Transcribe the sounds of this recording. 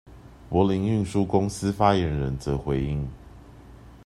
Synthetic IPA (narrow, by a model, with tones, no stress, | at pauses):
pwɔ˨˥li˧˥ŋy˥˨ŋʂu˦kʊ˥ŋs̩˦fa˥jɛ˨˦nɻə˧˦nt͡sɤ˨˦xwe˨˦ɪi˥˧ŋ